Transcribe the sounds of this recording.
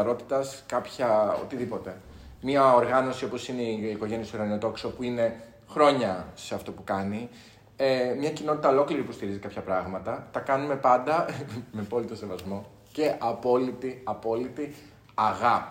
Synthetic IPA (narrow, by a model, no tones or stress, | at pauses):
ɐɾo̞t̪i̥t̪ɐskɐpçɐo̰t̪iðipo̞t̪e̞ | miɐo̞ɾɣɐno̞sio̞po̞sine̞iːko̞ʝe̞niɐsoɾɣɐniot̪o̞ksopuine̞ | xɾo̞ɲɐse̞ɐft̪o̞pukɐni | emɲɐcino̞t̪i̥t̪ɐolo̞kliɾipust̪iɾizikɐpçɐpɾɐɣmɐt̪ɐt̪ɐkɐnume̞pɐnd̪ɐmepo̞lit̪o̞sevɐzmo̞ | ce̞ʔɐpo̞lit̪iɐpo̞lit̪i | ɐɣɐp